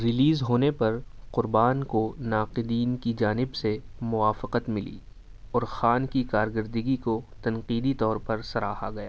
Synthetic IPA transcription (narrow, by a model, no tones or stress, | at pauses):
ɾɪliːzɦoːnepɐɾ | qʊɾbaːnkonaːqɪd̪iːnkid͡ʒaːnɪbse | mʊʋaːfɪqət̪mɪlḭ | ɔːɾxaːnkikaːɾɡəɾd̪əɡikot̪ɐnqiːd̪it̪ɔːɾpɐɾsɐɾaːɦaɡɐja̰ː